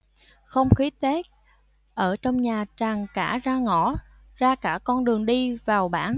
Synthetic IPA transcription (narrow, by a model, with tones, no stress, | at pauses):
xə˧wŋ͡mxi˨˦˥t̪ɛ˦˥k̚ | ʔəː˧˩t͡ɕɔ˧wŋ͡mɲaː˨˩t͡ɕaː˨˩ŋka̰ː˧˩zaː˧ŋɔ˧˩ | zaː˧kaː˧˩kɔ˧nɗɨ˨˩əŋɗi˧vaː˨˩wɓaː˧˩n